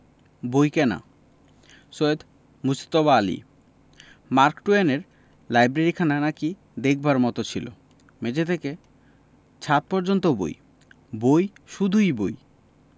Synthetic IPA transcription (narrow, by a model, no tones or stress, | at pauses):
bojkɛna̰ | soed̪ | must̪ɔβaalḭ | maɾkʈueneɾ | lajbɾeɾikʰananaki | d̪ek̚ʰbaɾmɔt̪ot͡ɕʰilo̰ | med͡ʑet̪ʰeke | t͡ɕʰat̪̚pɔɾd͡ʑont̪obo̰j | bojʃud̪ʱujboj